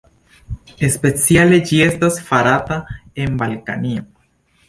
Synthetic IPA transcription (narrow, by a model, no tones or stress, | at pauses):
e̞spe̞t͡siale̞d͡ʒie̞stasfaɾatae̞nbalka̰nio